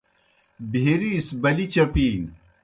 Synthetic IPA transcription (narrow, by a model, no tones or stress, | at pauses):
bʱeɾisbɐlit͡ɕɐpiːŋ